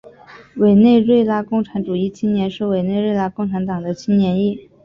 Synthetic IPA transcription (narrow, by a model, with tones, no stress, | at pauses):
we˨˩ɪne˥˧ɪɻwe˥˧ɪla˥kʊ˥˩ŋʈ͡ʂʰa˧˥nʈ͡ʂu˨˩i˥˩t͡ɕʰi˥nnjɛ˧˥nʂɻ̩˥˩we˨˩ɪne˥˧ɪɻwe˥˧ɪla˥kʊ˥˩ŋʈ͡ʂʰa˧˥nt̪ɑ˨˩ŋd̪ə˦t͡ɕʰi˥nnjɛ˧˥ni˥˩